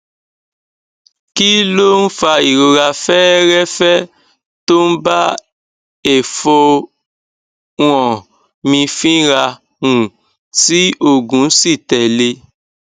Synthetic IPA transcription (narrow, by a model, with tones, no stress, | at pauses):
ki˦lo˦n̩˦fa˧i˨ɾo˧ɾa˧fɛː˦ɾɛ˦fɛ˦ | to˦n̩˦ba˦ | e˨fo˧ | w̃ɔ̃˨ | mĩ˧fĩ˦ɾa˧ | nũ˨ | ti˦o˦˨ɡũ˨˦si˦˨tɛ˨le˧